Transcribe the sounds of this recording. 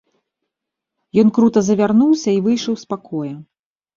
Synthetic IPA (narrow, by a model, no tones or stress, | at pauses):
jɔnkɾut̪ɐzɐvʲarnuwsʲɐivɨjʂɐwspakʰɔjɐ